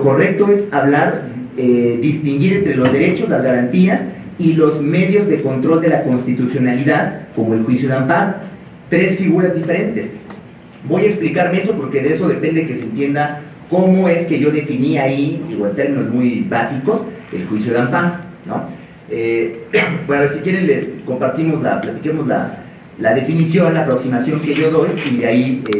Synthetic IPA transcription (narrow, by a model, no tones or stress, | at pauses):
loko̞re̞k̚t̪o̞e̞saβlaɾeðist̪iŋɡiɾe̞nt̪ɾe̞lo̞zðe̞ɾe̞t͡ʃo̞zlazɣaɾant̪ias | ilo̞zme̞ðjo̞zðe̞ko̞nt̪ɾo̞ld̪e̞lako̞nst̪it̪usjo̞naliðaðko̞mo̞elxwisjoðampaɾ | t̪ɾe̞sfiɣuɾazðife̞ɾe̞nt̪e̞s | bo̞jaeksplikaɾmee̞so̞po̞ɾkeðeeso̞ðe̞pe̞nd̪eekesent̪je̞nd̪a | ko̞mo̞e̞ske̞ʝo̞ðe̞finiaiiɣoent̪e̞ɾmĩno̞zmujbasiko̞sḛlxwisjo̞ðampaŋ | no̞̰ | e | bwenosikjeɾenlesko̞mpaɾt̪imo̞zla̰plat̪ikemo̞zla̰ | laðe̞finisjo̞nlaːpɾo̞ksimasjo̞ŋke̞ʝo̞ðo̞jiaie